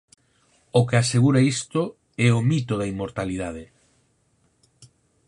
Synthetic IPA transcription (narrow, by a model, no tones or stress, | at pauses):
ʊkeaseɣuɾaist̪o | ɛomit̪oðɐimːoɾt̪aliðað̞e